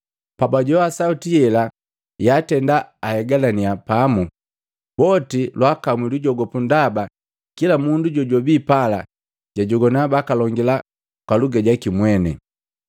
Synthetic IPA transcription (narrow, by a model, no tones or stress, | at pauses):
pabaɟɔasautijɛla | jatɛndaːhɛɡalaniapamu | bɔtilwakamwiluɟɔɡɔpundaba | kilamunduɟɔɟɔbipala̰ | ɟaɟɔɡɔnabakalɔŋɡila | kwaluɡaɟakimwɛnɛ̰